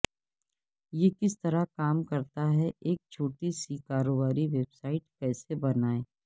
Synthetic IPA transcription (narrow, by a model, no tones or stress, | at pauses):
jekɪst̪ɐɾakaːmkɐɾt̪aɦɛʔeːk̚t͡ʃʰoːʈisikaːɾoːbaːɾiʋeːbsaːɪʈkɛːsebɐnaːeː